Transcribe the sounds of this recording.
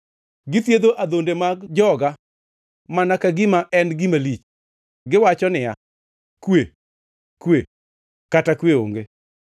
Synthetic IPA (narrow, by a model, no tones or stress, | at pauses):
ɡɪt̪jed̪oʔad̪ondemaɡd͡ʒɔɡa | manakaɡɪmaʔɛnɡɪmalit͡ʃ | ɡɪwat͡ʃɔnɪja̰ | kwe | kwe | katakweo̰ŋɡe